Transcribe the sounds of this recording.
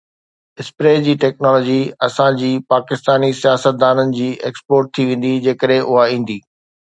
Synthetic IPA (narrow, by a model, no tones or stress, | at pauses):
ɪspɾeːd͡ʑiːʈɛːknɔːlɔːd͡ʑiɐsãd͡ʑiːpaːkɪst̪aːnisijaːsət̪̚d̪aːnənɪ̆d͡ʑiːʔeːkspoːɾʈ̚t̪ʰiʋẽːn̆d̪id͡ʑeːkəɗɦẽʔʊɦaĩːn̆d̪iː